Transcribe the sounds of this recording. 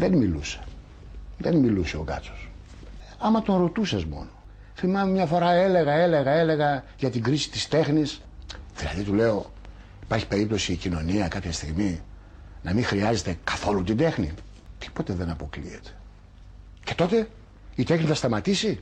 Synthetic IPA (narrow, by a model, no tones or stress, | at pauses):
ðenmiluse̥ | ðenmiluseokɐ̰so̞s | ɐmɐt̪o̞nɾo̞t̪usɐzmo̞̰no | θimɐmemɲɐfo̞ɾɐe̞le̞ɣɐe̞le̞ɣɐe̞le̞ɣɐʝɐt̪iɡɾisi̥t̪i̥st̪e̞xnis | ðilɐ̰ðit̪ule̞o̞ | ipɐɾçi̥pe̞ɾip̚t̪o̞siːcino̞niɐkɐpçɐst̪iɣmi | nɐmixɾiɐze̞t̪e̞kɐ̥θo̞lut̪ind̪e̞xnḭ | t̪i̥po̞t̪eðe̞nɐpo̞klḭet̪e̥ | ce̞t̪o̞t̪e̞ | it̪e̞xniθɐst̪ɐmɐt̪isi